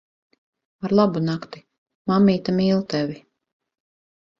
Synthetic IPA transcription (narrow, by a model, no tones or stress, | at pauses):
aɾlˠabunakt̪i̥ | mamːiːt̪amiːlˠt̪ɛvi